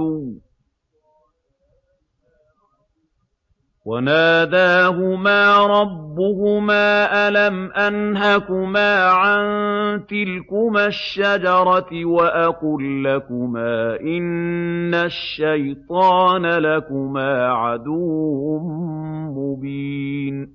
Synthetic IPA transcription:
wanaːd̪aːɦʊmaːɾˤɑbːʊhʊmaːʔalamʔanɦakʊmaːʕant̪ɪlkʊmaʃːad͡ʒɑɾˤɑwaʔaqulːakʊmaːʔɪnːaʃːajt̪ˤɑːnalakʊmaːʕad̪uːʊmmʊbiːn

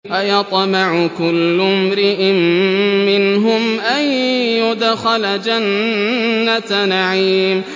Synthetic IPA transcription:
ʔajɑt̪ˤmɪʕʊkʊlːʊmɾɪʔɪmːɪnɦʊmʔanjʊd̪xald͡ʒanː | anaʕiːm

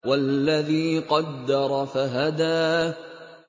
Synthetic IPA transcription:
walːaðiːqɑd̪ːɑɾˤɑfaɦad̪aː

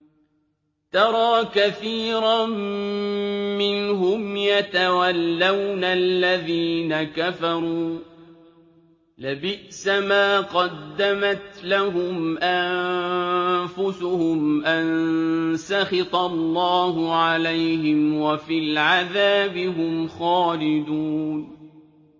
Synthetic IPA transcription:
t̪ɑɾˤɑːkaθiːɾa | mɪnɦʊmjat̪awalːawnalːaðiːnakafɑɾˤuː | lɪbɪʔsamaːqɑd̪ːamat̪laɦʊmʔam | fʊsʊhʊmʔansaxɪt̪ˤɑlːɑːhʊʕalajhɪmwafiːlʕaðaːbɪɦʊmxɑːlɪd̪un

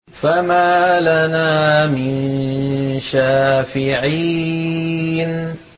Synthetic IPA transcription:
famaːlanaːmɪn | ʃaːfɪʕiː | n

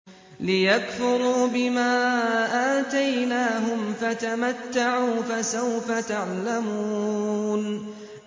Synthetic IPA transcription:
lɪjakfʊɾuːbɪmaːʔaːt̪ajnaːɦʊmfat̪amat̪ːaʕuːfasawfat̪aʕlamuːn

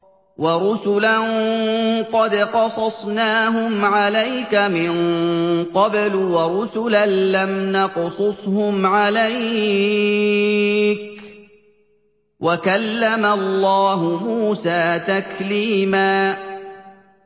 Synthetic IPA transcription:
wɑɾˤʊsʊlan | qɑd̪qɑsˤɑsˤnaːɦʊmʕalajkamɪnqɑblwɑɾʊsʊlanlamnɑqsˤʊsˤhʊmʕalaj | k | wʔakalːamalˤːɑːɦʊmuːsaːt̪akliːmaː

